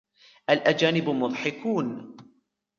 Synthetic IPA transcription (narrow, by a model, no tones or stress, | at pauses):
ʔalʔad͡ʒaːnɪbmʊðˤħɪkuːn